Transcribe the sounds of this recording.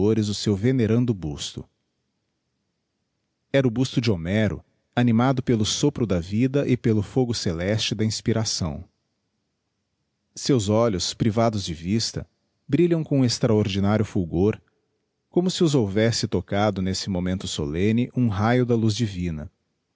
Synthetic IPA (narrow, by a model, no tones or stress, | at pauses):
oɾɪzʊsewveneɾɐ̃nd̪ʊbust̪ʊ̰ | ɛɾʊbust̪ʊd͡ʒɪomɛɾʊ̰ | ɐnĩmad̪ʊpelʊsopɾʊd̪ɐvid̪ɐʔɪpelʊfoɡʊselɛst͡ʃɪd̪ɐĩspiɾasɐ̰̃w̃ | sewzɔʎʊspɾivad̪ʊzd͡ʒɪvist̪ɐ̰ | bɾiʎɐ̃w̃kõest̪ɾaoɾd͡ʒinaɾjʊfuɡoɾ | kõmʊsɪʊzowvɛsɪt̪okad̪ʊnesɪmomẽnt̪ʊso̰lẽnɪʔũɦajʊd̪ɐluzd͡ʒivĩnɐ̰